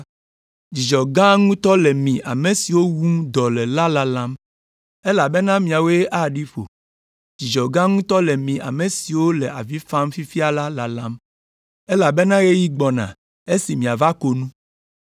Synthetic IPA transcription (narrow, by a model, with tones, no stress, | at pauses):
d͡ʑi˨d͡ʒɔ˨ɡã˦ŋũ˦t̪ɔ˦le˨mĩ˨ʔa̰˨me˨si˨wo˦wu˦ŋ˦d̪ɔ˨lɛ˨la˦la˦lã˦m | e˦la˨be˦nã˦mĩ˨a˨we˦ʔa˦ɖi˦ɸo̰˨ | d͡ʒi˨d͡ʒɔ˨ɡã˦ŋũ˦t̪ɔ˦le˨mĩ˨ʔa̰˨me˨si˨wo˦le˨ʔa˨vi˦fã˦mfi˦fi˦a˨la˦la˨lã˦m | e˦la˨be˦nã˦ɣe˦ji˦ɡ͡bɔ˨nã̰˨ | e˦si˨mĩ˨a˨va˦ko˦nũ˦